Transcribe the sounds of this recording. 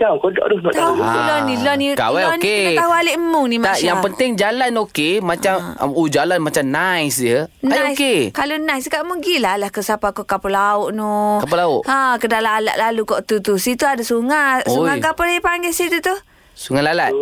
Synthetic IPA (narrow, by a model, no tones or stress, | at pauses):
d͡ʒakodɔ̰ʔdɔhnɔʔt̪aulɔnilɔnika̰wɛɔnet̪aɦualeʔəmʊŋnimaajaŋpənt̪ɪŋd͡ʒalanokemat͡ʃam̰ud͡ʒalanmat͡ʃamnajsd͡ʒənaajskekalonajskaʔmuɡilalahkəsapakokapulaʊʔnukapulaʊʔãkədalaːla̰ʔlalukɔʔt̪ut̪usit̪uadasuŋasuakapəaəpaŋɡɛsit̪ut̪u | suŋalalat̪̚